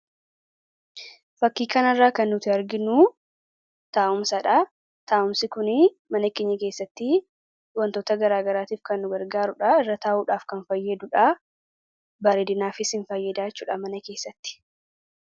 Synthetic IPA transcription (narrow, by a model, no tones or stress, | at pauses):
fɐkːiːkɐnɐrːaːkɐnːʊt̪ɪɐɾɡɪnu | t̪aːʔʊmsɐᶑɐ | t̪aːʔʊmsɪkʊnɪ | mɐnɐkːeːɲːɐke̞ːsːɐt̪ːɪ | wɐnt̪oːt̪ɐɡɐɾaːɡɐɾaːt̪iːfkɐnːʊɡɐɾɡaːɾʊᶑɐɪrːɐt̪aːʔuːᶑaːfkɐnfɐjːɐd̪ʊᶑɐ | bɐɾeːd̪ɪnaːfɪsɪnfɐjːɐd̪aːt͡ʃːuːᶑɐmɐnɐke̞ːsːɐt̪ːɪ̥